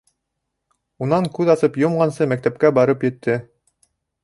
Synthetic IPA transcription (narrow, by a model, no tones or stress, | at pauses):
unɑŋkʉðɑsɤpjŏmʁɑnsɤmæk̚t̪æp̚kæbɑɾɤpjɘ̆t̪ʰːɘ